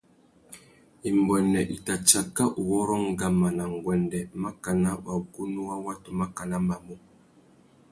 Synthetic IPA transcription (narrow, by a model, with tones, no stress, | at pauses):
i˨mbɔ˨nːɛ˨ʔi˨ta˨t͡ʃa˨ka˦ʔu˨wɔ˦ɾɔ˦ŋɡa˨mːa˨na˨ŋɡwɛ˨ndɛ˨ma˦ka˨na˦ɓa˨ɡu˦nu˦wa˦wa˦tu˨ma˦ka˨na˦ma˨mu˦